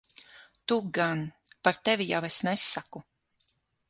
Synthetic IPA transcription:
t̪uɡanpaɾt̪evijawesnɛsːaku

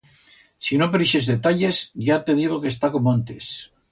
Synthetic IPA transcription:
sinopeɾiʃe̞zðe̞t̪aʎe̞zʝat̪e̞ðiɣ̞o̞kest̪ako̞moant̪es

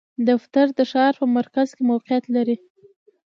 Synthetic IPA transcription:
d̪aft̪aɾd̪əʃɑɾpəmaɾkazkemawqejat̪laɾi

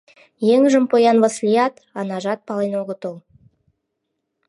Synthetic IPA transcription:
jeŋʒəmpʰojɑnvəslʲijɑt̪ | ɑnɑʒɑt̪̚pɑlˠinoɡət̪olˠ

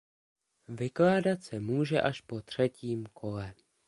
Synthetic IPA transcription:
vɪklaːdat̪sɛmuːʒɛʔaʃpo̞t̪r̝̥ɛciːmkʰo̞lɛ

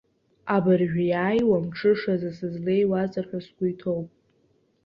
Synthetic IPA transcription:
abarʒᶣajaːjwamʈ͡ʂʰɨʂazɨsɨzle̞jwat͡sʼarħʷᶣaskʷʊjtʰowpʼ

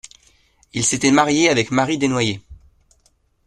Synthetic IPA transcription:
ilset̪ɛmaʁjeavɛkmaʁid̪enwaje

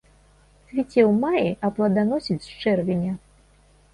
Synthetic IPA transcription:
sʲvʲit͡sʲɛwmajiʔɐplˠɐd̪anɔsʲit͡sʲt͡ʂɛrvʲinʲɐ

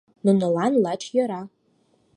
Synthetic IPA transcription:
nɨnɨlanlat͡ʃʰjaɾa

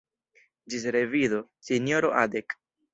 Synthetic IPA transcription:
d͡ʒisɾeviðosinjoɾoʔad̪ek

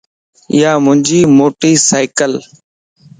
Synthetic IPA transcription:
ɪ̰jaːmʊ̃nd͡ʒiːmoːʈiːsaːɪkəl

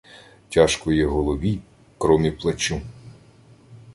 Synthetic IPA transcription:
tʲaʃkɔjɛɦɔlˠɔʋʲi | kɾɔmʲiplˠɐt͡ʃu

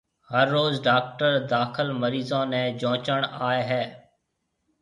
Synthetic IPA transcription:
həɾːoːzɖaːk̚ʈəɾd̪aːkʰɪlməɾiːzãːnɛ̃ːd͡ʒõːt͡ʃəɳ̃aːeɦɛː

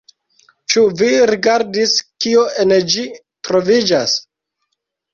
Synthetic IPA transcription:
t͡ʃuviɾiɡaɾdiskioend͡ʒi | tɾo̞vid͡ʒas

